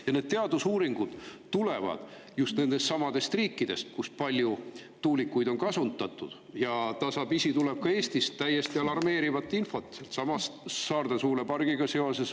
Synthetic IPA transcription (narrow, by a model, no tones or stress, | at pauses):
jɑne̞ːd̪̥̚t̪e̞ɑd̪usuːɾiŋɡ̥ud̪̥t̪ule̞vɑ̰d̪̥ | just̪ne̞nd̪̥e̞st̪sɑmɑd̪̥e̞st̪riːkːˑid̪̥e̞st̪̚kuspɑlʲju | t̪uːlikːˑujd̪o̞nkɑsunt̪ːˑɑt̪ːˑud̪̥ | jɑt̪ɑsɑbisit̪uleb̥̚kɑe̞ːsʲt̪ist̪æjːe̞st̪iɑlɑrme̞ːɾivɑt̪ːˑinfo̞t̪ːˑselt̪sɑmɑst̪ːɑːrd̪̥esuːɾepɑrɡ̥iɡ̥ɑseo̞se̞s